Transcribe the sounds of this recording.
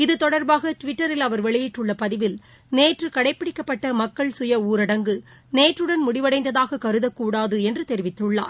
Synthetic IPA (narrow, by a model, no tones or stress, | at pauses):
ɪðɯt̪ɔɽɐɾbaːɣɐʈʋɪʈːɐɾɪlɐʋɐɾʋɛɭɪjɪʈːɯɭːɐpɐðɪʋɪl | neːʈrɯkɐɽɐɪpːɪɽɪkːɐpːɐʈːɐmɐkːɐɭsʊjɐuːɾɐɽɐŋɡɯ | neːʈrɯɽɐnmʊɽɪʋɐɽɐɪnd̪ɐðaːɣɐkɐɾɯðɐkːuːɽaːðɯɛndrɯt̪ɛɾɪʋɪt̪ːɯɭːa̰ːɾ